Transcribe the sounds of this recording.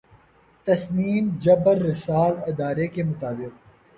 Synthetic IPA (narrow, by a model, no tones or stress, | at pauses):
t̪ɐsniːmd͡ʒɐbəɾːɪsaːlɪd̪aːɾekemʊt̪aːbɪq̚